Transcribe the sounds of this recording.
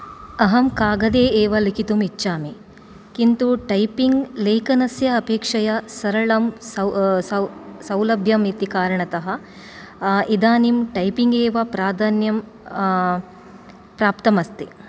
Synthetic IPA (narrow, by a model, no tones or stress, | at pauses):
ɐɦɐmkaːɡɐd̪eːeːʋɐlikit̪umitːʃaːmi | kint̪uʈɐjpiŋɡleːkɐnɐsjɐːpeːkʂɐjɐsɐɾɐɭɐmsɐsɐsɐwlɐbʱjɐmit̪ikaːɾɐɳɐt̪ɐɦɐ | id̪aːnimʈɐjpiŋɡeːʋɐpɾaːd̪ʱaːnjɐm | pɾaːpt̪ɐmɐst̪i